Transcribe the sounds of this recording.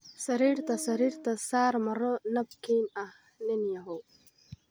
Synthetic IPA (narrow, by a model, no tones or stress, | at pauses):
sɐɾiːɾt̪ɐsɐɾiːɾt̪ɐsaːɾmɐɾɔnɐb̚kiːnɐh | nɛnjɐɦow